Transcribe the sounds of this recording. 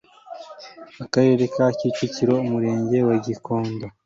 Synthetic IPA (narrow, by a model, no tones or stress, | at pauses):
akaɾe̞ɾekaciciciɾo̞umuɾe̞ːɲɟe̞waɟikoːnda